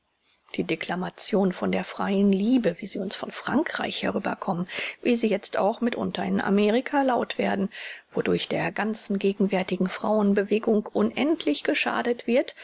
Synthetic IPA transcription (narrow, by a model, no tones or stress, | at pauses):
d̥iːdeklamat͡sjoːnfɔndeːɐfʁ̥aɪənliːbəviːziːʊnsfɔnfʁ̥aŋkʁ̥a̰ɪçhɛ̰ʁyːbɐ̰kʰɔmənviːziːjɛt͡sta̰ʊxmɪtʔʊ̰ntɐɪnʔa̰meːʁɪkʰalaʊtv̥eːɐdn̩v̥odʊɐçd̥eːɐɡant͡sn̩ɡeːɡŋ̩vɛɐtɪɡŋ̩fʁ̥a̰ʊənbəveːɡʊŋkʔʊnʔɛntʰlɪçɡ̥əʃa̰ːdətv̥ɪɐt